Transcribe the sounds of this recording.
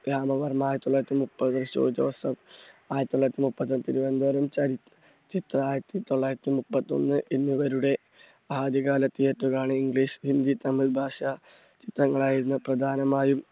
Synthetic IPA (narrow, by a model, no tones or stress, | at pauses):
ɾaːmɐʋɐrɐmaːjɾɐt̪iːoɭːaːjɾt̪ːimupːɐðɨʋ̪ɐrɕo̰ːit͡ɕːɐ̰ʋɐsɐmaːjɾɐt̪it̪ːoɭːaːjɾɐt̪ːimupːɐt̪ːonːt̪iɾubɐnd̪oɐɾɐmt͡ɕɐɾit̪ː | t͡ɕːit̪raːjɾɐɾɐt̪ːit̪o̞ɭːaːjɾɐt̪ːimupːɐt̪ːo̞̰nːɨʔenːiʋɐɾuɽe̞ | aːd̪ʱjɐɣaːlɐt̪ːijetːukaːɳɨiŋɡɭiːɕhind̪it̪ɐmilbʱaːʂa | t͡ɕit̪rɐŋːɐɭaːjiɾunːɐprɐd̪ʱaːnɐmaːjum